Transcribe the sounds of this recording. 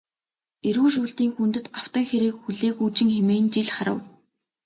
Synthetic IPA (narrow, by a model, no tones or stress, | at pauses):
eɾuːʃ̬uːɮt̪iːŋxunt̪ɘ̆t̪aw̥t̪ə̆ŋxeɾeːkxuɮeːxuːt͡ɕɪ̆ŋxemeːnt͡ɕiɮχaɾə̰̆w